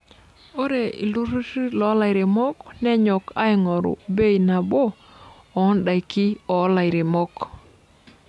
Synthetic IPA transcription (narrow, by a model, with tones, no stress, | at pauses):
o˦ɾe˨ḭ˨lu˦ɾu˦si˦lɔ˨˦la˨ɪ˨ɾe˨mɔ˦knɛ˦ɲɔ˨ka˦ɪ˨ŋɔ˨ɾʊ̰˨be˦i˨na˨bo˦ | ɔ˨˦nda˨jkɪ˦ɔ˨˦la˨ɪ˨ɾe˨mɔ˦k